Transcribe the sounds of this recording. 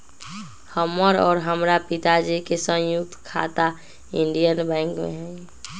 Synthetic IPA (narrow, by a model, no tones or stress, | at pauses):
həmːəɾɔːɾɦəmɾapit̪ad͡ʒekesə̃juk̚t̪kʰa̰t̪a | ĩɳɖijənbɛ̃ŋkmḛɦɛ̃j